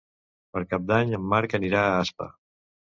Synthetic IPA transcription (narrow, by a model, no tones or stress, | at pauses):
pəɾkap̚d̪aɲəmːaɾkəniɾaːaspə̰